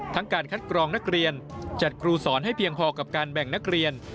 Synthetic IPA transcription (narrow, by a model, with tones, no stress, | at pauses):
t̪ʰa˦˥ŋkaː˧nkʰa˦˥t̪̚kɾɔː˧ŋna˦˥k̚ɾi˧ənt͡ɕa˨˩t̪̚kʰɾuː˧sɔː˩˦nɦa˥˩jpʰi˧əŋpʰɔː˧ka˨˩p̚kaː˧nbɛ˨˩ŋna˦˥k̚ɾi˧ən